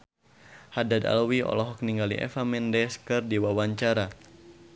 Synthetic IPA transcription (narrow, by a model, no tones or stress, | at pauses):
hadada̰lwiɔ̰lɔɦɔk̚niŋɡalḭʔɛ̰famɛndɛskɨrdiwawaɲt͡ʃaɾa